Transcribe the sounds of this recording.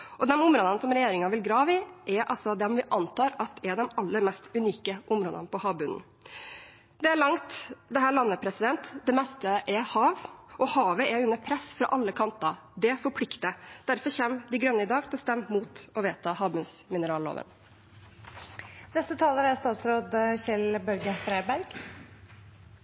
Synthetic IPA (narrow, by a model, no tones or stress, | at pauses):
ʔɔd̪ɛmʊmɾoːd̪ɑnsɔmɾɛjeːɾɪŋɑʋɪlɡɾɑːʋɪʔɛɾʔɑ̰lsɔd̪ɛnʋɪʔɑnt̪ʰɑːɾɑt̪̚d̪ɛɛɖ̪ɛmɑlːəɾmɛst̪ʉniːkəʔʊmɾoːd̪ɑ̰npɔhɑːʋbʉnn̩ | d̪ɛæɭɑŋt̪d̪ɛɦæːɾɭɑnːəpʰɾɛsɪd̪ɛnt̪d̪ɛmɛst̪əʔɛhɑːʋʔɔhɑːʋəɛʉnːəɾpʰɾɛsfɾɑ̰ʔɑlːəkʰɑnt̪ɑ | d̪ɛfɔɾpʰlɪkt̪əd̪̥æɾfɔɾçɛmd̪ɪɡɾœnːəɪd̪ɑːɡt̪ʰɪlɔst̪ɛmːmuːt̪ɔʋeːt̪ʰɑːhɑːʋbʉnsmɪnəɾɑːlːo̰ːʋə̰n | nɛst̪ət̪ʰɑːləɾæɾst̪ɑːt̪sɾoːd̪çɛlbœlɡət̪ʰɾeːbæɾɡ̥